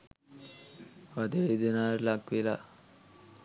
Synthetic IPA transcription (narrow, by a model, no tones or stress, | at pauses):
ʋad̪ed̪inaɾlaɡʋela